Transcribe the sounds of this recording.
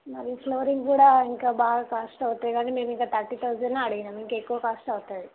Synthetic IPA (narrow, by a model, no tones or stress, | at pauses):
mɐɾifloːɾiŋɡkuːɽaːiŋkaːbaːɡaːkɐʂʈɐwt̪aːd̪ikaːɳʈːemeːmiŋkaːt̪ɐʈːit̪ɐʋd͡ʒɐnːaɐɽiɡinaːmiŋkaːekːuʋɐkɐʂʈɐʋut̪aːd̪i